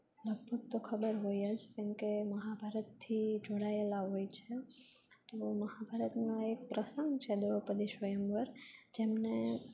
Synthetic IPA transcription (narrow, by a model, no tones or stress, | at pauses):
ləɡ̚bʱəɡ̚t̪okʰəbəɾɦojad͡ʒkemkeməɦabʱaɾət̪ʰːid͡ʒoɽaelaɦojt͡ʃʰe | t̪oməɦabʱaɾət̪noek̚pɾəsəŋɡt͡ʃʰed̪eʋəpəd̪iʃʋəjəmʋəɾd͡ʒemne